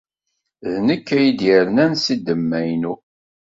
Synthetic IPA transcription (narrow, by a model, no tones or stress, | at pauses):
ðnəkːæjid̪jəɾnænsid̪ːəmːæjnu